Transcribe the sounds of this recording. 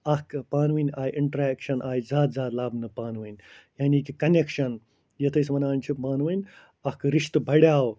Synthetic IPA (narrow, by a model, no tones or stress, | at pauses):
ɐkpaːnʋɨnʲaːiʔiɳʈɾeːkʃɐnʔaːjizaːd̪zaːd̪laːbnɨpaːnʋɐnʲjaːniːkikɐnekʃɐn | jɐt̪ʰɐsʋɐnaːnʲt͡ʃʰipaːnʋɐnʲ | ɐkɾiʃt̪bʱɐɽjaːw